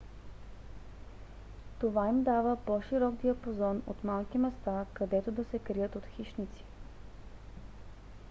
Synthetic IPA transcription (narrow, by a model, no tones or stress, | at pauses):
t̪ovaimd̪avəpɔʃiɾɔɡd̪iɐpozɔno̰t̪malˠkimɛst̪akɐd̪ɛt̪od̪ɐsɛkɾijət̪ot̪xiʃnit̪si̥